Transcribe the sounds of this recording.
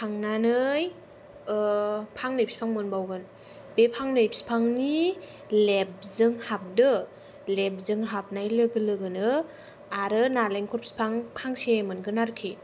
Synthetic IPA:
pʰaŋnanɯj | pʰaŋnɯjpʰspʰaŋmɯnbawɡɯn | bepʰaŋnɯjpʰspʰaŋni | lep̚zɯŋhap̚dɯ | lep̚zɯŋɦap̚najlɯɡɯlɯɡɯnɯ | aɾɯnaleŋkʰɔɾpspʰaŋpʰaŋsemɯnɡɯnaɾkʰi

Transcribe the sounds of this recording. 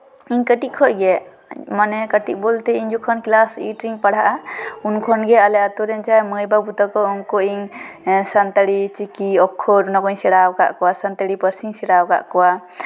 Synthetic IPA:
iɲkəʈiʔ̚kʰɔʔɡɛ | manɛkəʈiʔ̚ˀbɔlt̪ɛiɲd͡ʒɔkʰɔnklasiʈɾiŋpaɽaʔaunkʰɔnɡɛalɛat̪ɔɾɛnt͡ʃaɛməjbabut̪akɔɔŋkɔʔiŋsant̪aɽit͡ʃikiɔkʰːɔɾunakɔiɲsɛɽawka̰ʔkɔwasant̪aɽipəɾsiŋsɛɽawka̰ʔkɔwa

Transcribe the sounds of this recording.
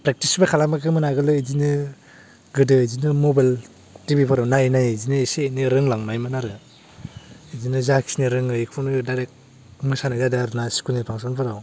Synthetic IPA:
pɾek̚tisbakʰalamakʰɯmɯnaɡɯlɯizinɯ | ɡɯdɯzinɯmobajl | tibipʰɯɾawnajnajzinɯeseniɾɯŋlaŋnajmanaɾɯ | izinɯzakʰi̥snɯɾɯŋɯikʰunɯdajɾek̚ | mɯsanazadaɾnasi̥kunipʰaŋsanpʰɯɾaw

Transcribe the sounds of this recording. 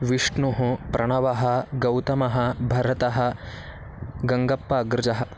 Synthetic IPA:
ʋiʂɳuɦupɾʔɐɳ̃ɐʋɐɦɐ̆ɡɐwt̪ɐmɐɦɐ̆bʱɐɾɐt̪ɐɦɐ̆ | ɡɐŋɡɐpːaːɡɾɪd͡ʒɐɦɐ̆

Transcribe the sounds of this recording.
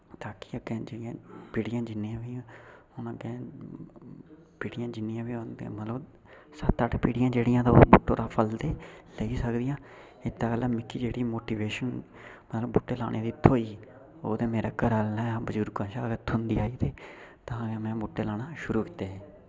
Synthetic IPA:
t̪aːki̥ːəkɛ̃ːd͡ʒɪɽɪjãːpiːɽɪjãːd͡ʒɪnːiːãːʋiː | ʊnãːkɛ̃ | piːɽɪjãːd͡ʒɪnːɪjãːʋinemət̪ləb | sət̪ːəʈpiːɽɪjãːd͡ʒeːɽɪjãːt̪aoːbʊʈːoːɾaːpʰəlt̪eːləiːsəkd̪ɪjãː | ɪt̪ːaːkəlaːmɪkʰːiːd͡ʒeːɽiːmoːʈiːʋeːʃən | mət̪ləbbuːʈːeːla̰ːɽʔeːd̪iːt̪ʰːoːiː | oːt̪eːmeːɾaːkəɾalnɛːbəd͡ʒuɾkãːʃaːkət̪ʰːʊnd̪iːaːiːt̪eːt̪aːkɛːmɛ̃ːbʊʈːeːlaːɽaːʃʊɾuːki̥t̪eːɦeː

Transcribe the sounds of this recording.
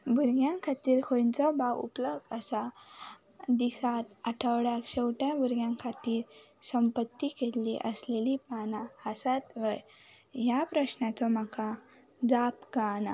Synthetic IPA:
bʱuɾɡjãŋkʰat̪iːɾkʰõnt͡sɔbawṵpləɡd̪əsa | d̪isat̪əʈʰəwɽakɕewʈãbuɾɡjãŋkʰat̪iːɾ | səmpət̪ːikelliʔəslelipanaːsat̪ʋəj | japɾəɕnat͡sɔm̤aka | d͡zapɡana

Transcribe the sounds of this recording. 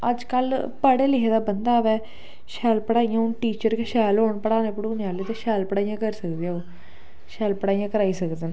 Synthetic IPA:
əd͡ʒkəlpəɽeːlɪɦeːd̪aːbənd̪aːʋɛː | ʃɛːlpəɽaːijãːʊnʈiːt͡ʃəɾkeʃɛːloːɳpəɽaːneːpəɽuːnaːleːt̪eːʃɛːlpəɽaːijãːkəɾsəkd̪eɛoː | ʃɛːlpəɽaːijãːkəɾaːiːsəkd̪eːn

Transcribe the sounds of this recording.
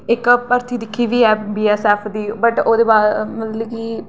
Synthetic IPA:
ɪkpəɾt̪iːd̪ɪkʰːiːʋiːɦɛːbiːɛːsɛːpʰd̪iːbəʈoːd̪eːbaːdmət̪liːkiː

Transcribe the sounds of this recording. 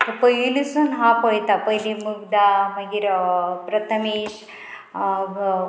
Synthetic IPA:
t̪əpəɦilisunɦãpəjt̪apəɦilimuɡd̪aməɡiɾpɾət̪ʰəmiɕ

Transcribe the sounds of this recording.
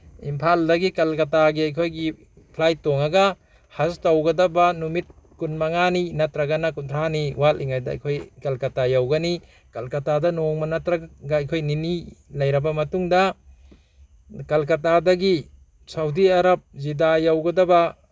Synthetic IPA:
impʰaldɐɡikɐlkɐtaɡiajkʰojɡi | pʰlajtoŋaɡa | hastawɡɐdɐbanumit̚ | kunmaŋaninɐtɾɐɡanakuntʰaniwalḭŋajdaa̰jkʰojkɐlkɐtajawɡɐni | kɐlkɐtadɐnoŋmɐnɐtɾaɡaːjkʰojninilɐjɾɐbɐmɐtuŋda | kɐlkɐtadɐɡi | sawdiaɾɐp̚zidajawɡɐdɐba

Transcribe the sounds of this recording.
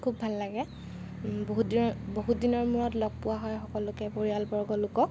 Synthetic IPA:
kʰubʱalːaɡɛ | boɦudiboɦudinɔɹmuɹɔtlɔɡ̚pʊwaɦɔjxɔkɔlʊkɛpoɹijalbɔɹɡɔlʊkɔ

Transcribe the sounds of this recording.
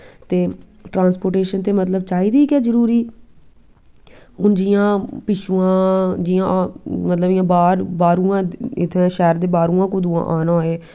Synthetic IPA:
t̪eː | ʈɾãːnspoːʈeːʃənt̪eːmət̪ləbt͡ʃaːiːd̪iːkɛːzəɾuːɾiː | ɦʊnd͡ʒiːãːpɪʃũːãːd͡ʒiːãːmət̪ləbɪjãːbaːɾbaːɾũːãːɪt̪ʰẽʃɛːɾd̪eːbaːɾũːãːkʊd̪uːã̰ːʔaːnaːɦoeː

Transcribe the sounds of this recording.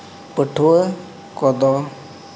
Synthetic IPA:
pəʈʰuə | kɔd̪ɔ

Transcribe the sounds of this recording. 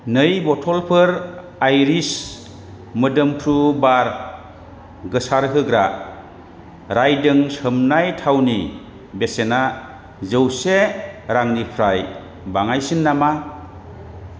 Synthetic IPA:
nɯjbɔtʰɔlpʰɯɾ | ajɾis | mɯdɯmkʰɾubaɾ | ɡɯsaɾɦɯɡɾa | ɾajdɯŋsɯmnajtʰawni | besena | zɯwseɾaŋnipʰɾaj | baŋajsinːama

